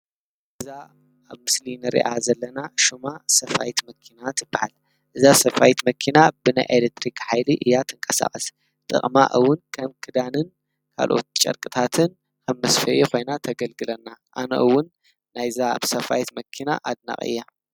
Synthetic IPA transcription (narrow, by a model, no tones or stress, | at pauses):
ʔʔɨɨza | aβmɨslinɨɾḭʔazɐlːɐnaʃumasɐfajt̪mɐkʰinat̪ʰɨbːahal | ʔɨzasɐfajt̪mɐkʰinabɨna̰jʔelek̚t̪ʰɾikħajliʔɨjːat̪ʰɨŋkʼɐsa̰χʼɐs | t̪ʼɨ̰χʼma̰ʔɨwːʊnkʰɐmkʰɨd̪anɨn | kʰa̰lʔo̞̰t̪̚t͡ʃʼɐ̰ɾkʼɨt̪ʰat̪ʰɨn | kʰɐmːɐsfɐʔikʰo̞jnat̪ʰɐɡɐlɡɨlɐnːaʔa̰nɐ̰ʔɨwːʊnː | ajzaβsɐfa̰jt̪mɐkʰina̰ʔad̪na̰χʼɨ̰jːa